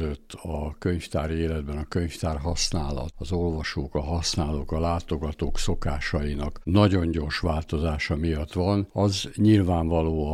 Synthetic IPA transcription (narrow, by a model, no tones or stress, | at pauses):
øt̪ːɒkøɲft̪aːɾeːlɛd̪̚bɛnɒkø̞ɲft̪aːrɦɒsnaːlɒ̰t̪ɒzolvɒʃoːkɒɦɒsnaːloːkɒlaːt̪o̞ɡɒt̪oːkso̞kaːʃɒjinɒknɒɟo̞ɲɟoːrʃʋaːlt̪o̞zaːʃɒmijɒt̪ʋɒnɒzɲilvaːɱvɒloːɒ